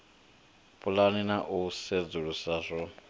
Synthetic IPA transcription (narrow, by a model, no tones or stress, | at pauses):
pʰʼulaninaʔused͡zuɺusazɔ